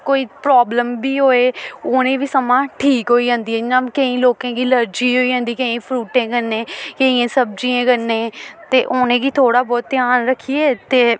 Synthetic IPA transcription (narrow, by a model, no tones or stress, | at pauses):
koːiːpɾaːbləmbiːɦoːeːʊnẽːʋiːsəmãːʈʰiːkɦoːiːd͡ʒãːnd̪iːɛnãːkəĩːloːkãːɡiːləɾd͡ʒiːɦoːiːd͡ʒãːnd̪iːkəĩːpʰɾuːʈẽːkənẽːkəĩːãːsəb̚d͡ʒiːẽːkənːẽːt̪eːʔonẽːɡiːt̪ʰoːɽaːbɔːt̪t̪ːɪjaːnɾəkʰːiːeːt̪eː